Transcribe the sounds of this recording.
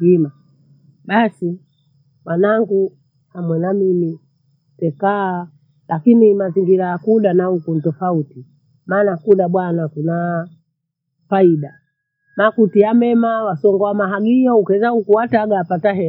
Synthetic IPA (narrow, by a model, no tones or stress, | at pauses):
ima | ɓasi | mwanaŋɡu | hamwɛnamimi | tɛkaː | lakinimaziŋɡiɾajakuɗanahukun̩tɔfauti | maːnakuɗaɓwanakuna | faiɗa | makutiamɛmawasɔŋɡɔwamaɦaɡijɔukɛzahukuwataɡaːpataɦɛ